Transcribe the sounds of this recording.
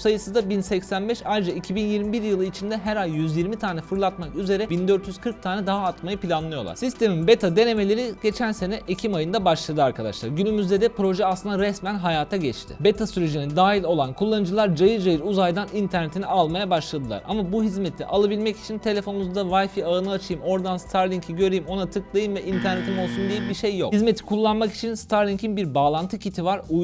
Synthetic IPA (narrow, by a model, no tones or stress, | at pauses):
sajɯsɯzd̪abinsɛcsænbɛʃajɾɯd͡ʒaicʰibinjiɾmibiɾjɯlˠɯit͡ʃʰind̪ɛɦæɾajjyzjiɾmit̪ʰaːnɛfɯɾlˠat̪makyze̞ɾɛbind̪øɾt̪jyz̥kʰɯɾk̚t̪ʰaːnɛd̪aɦaːt̪majɯpʰilʲanlˠɯjo̞lˠa̰ɾsist̪ʰe̞minbet̪ʰad̪e̞ne̞me̞lʲeɾiɟe̞t͡ʃʰænse̞nɛʔecʰimajɯnd̪abaʃlˠad̪ɯaɾkʰad̪a̰ʃlˠaɾɟynymyzd̪e̞d̪ɛpɾo̞ʒɛasɯnd̪aɾɛsmænɦajaːt̪ʰaɟɛt͡ʃt̪ʰɪ̰be̞t̪ʰasyɾeʒinid̪aːɦilʲo̞lˠankʰulˠːanɯd͡ʒɯlˠaɾd͡ʒajɯɾd͡ʒajɯɾuzajd̪anint̪ʰæɾnet̪ʰinialˠmajabaʃlˠad̪ɯlˠa̰ɾa̰mabuɦizmet̪ʰlːʲɛ̰ʔalˠabilʲmɛci̥t͡ʃʰint̪ʰe̞lʲe̞fo̞numuzd̪avajfiaɯnɯat͡ʃʰɯjɯmo̞ɾd̪anst̪ʰaɾlʲiŋcʰiɟø̞ɾejimo̞nat̪ʰɯklˠajɯmvɛʔint̪ʰæɾne̞t̪ʰimo̞lˠsund̪ijibiʃejːo̞̰khizme̞t̪ʰi̥kʰulˠːanmaki̥t͡ʃʰinst̪ʰaɾlʲiŋcʰinbiɾbaːlˠant̪ʰɯcʰit̪ʰivaɾuj